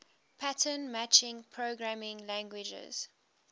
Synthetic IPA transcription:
pʰatʰənmæt͡ʃɪ̃ŋpʰɹoɡɹamɪ̃ŋlæ̃ŋɡwɪd͡ʒə̰z̥

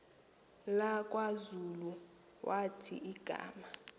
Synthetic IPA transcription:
lakʼwazulu | wʔatʰḭiɡ̥ʱa̰ːma

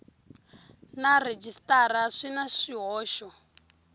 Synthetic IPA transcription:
nared͡ʒistaɾaʂinaʂiɦɔːʃɔ

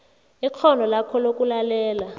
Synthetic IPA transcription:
ik͡xʰɔndʱɔlakʰɔlok̬ʼulalɛːla

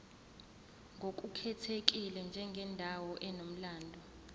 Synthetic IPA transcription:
ŋɡʱok̬ʼukʰɛtʰek̬ʼilɛnd͡ʒʱɛŋɡʱɛndʱawɔʔɛnom̩laːndʱɔ

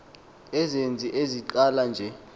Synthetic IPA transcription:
ɛzend͡zʱiʔeziǃaland͡ʒʱɛ

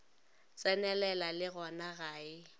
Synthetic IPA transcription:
t͡sʼɛnɛlɛlalɪɣɔnaɣaːɪ

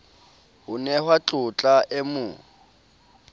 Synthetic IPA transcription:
hʊnɛhwat͡ɬʼʊt͡ɬʼaʔɛmʊː

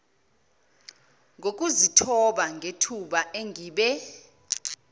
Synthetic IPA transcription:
ŋɡʱok̬ʼuzitʰɔɓaŋʱetʰuɓaʔeŋiːɓɛ

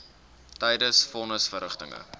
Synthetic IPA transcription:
tɛjdəsfɔnəsfərəχtəŋə̰

